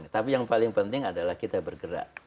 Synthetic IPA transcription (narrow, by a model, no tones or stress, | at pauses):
nt̪apijaŋpalɪŋpənt̪ɪŋadalahkit̪abərɡəɾa̰ʔ